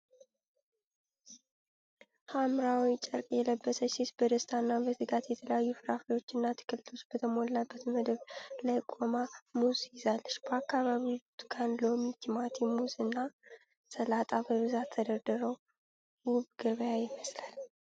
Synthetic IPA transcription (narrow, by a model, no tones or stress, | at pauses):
hamɾawit͡ʃʼəɾkʼjɛləbːəsəsisbəd̪əst̪ʰanːabəzɨɡat̪jɛt̪ʰələjajːufɨɾafijo̞t͡ʃːɨnːat̪ʰɨ̥kʰɨlɨlo̞t͡ʃːb̥ət̪ʰəmolːabːət̪məd̪əβlajkʼomamuzjɪzalːəʃbəakːaβaβibut̪kʰanlo̞mit̪ʰimat̪ʰmuzɨnːa | səlat̪ʼabəβɨzat̪ʰːəd̪əɾd̪əɾəw | wuβɡ̥əβəjajɪməslal